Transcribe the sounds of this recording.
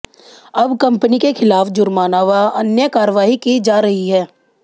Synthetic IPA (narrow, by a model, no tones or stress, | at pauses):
ɐbkɐ̃mpənikexʰɪlaːfd͡ʒʊɾmaːnaːʋaɐnjəkaːɾʋaːɦikid͡ʒaːɾɐɦiɦɛː